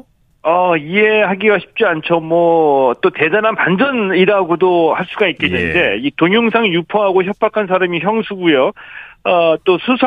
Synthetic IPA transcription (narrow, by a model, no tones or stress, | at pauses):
ʌie̞haɡiɡaɕʰi̥p̚t͡ɕ͈iant͡ɕʰomwʌt͈ote̞d͡ʑananpand͡ʑʌniɾaɡodohaɭs͈uɡait̚k͈enːɯnde̞̰itoŋjoŋsʰaŋjupʰʌɦaɡoçjʌp͈ʰakʰansʰaɾamiçjʌŋsʰuɡujoʌt͈osʰusʰ